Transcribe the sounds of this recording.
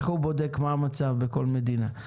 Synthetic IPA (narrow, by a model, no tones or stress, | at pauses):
χhubo̞d̪ekmaːmat͡savbeko̞lmed̪ina